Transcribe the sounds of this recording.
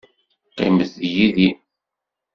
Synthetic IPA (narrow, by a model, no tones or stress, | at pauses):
qːɪ̰məðjiði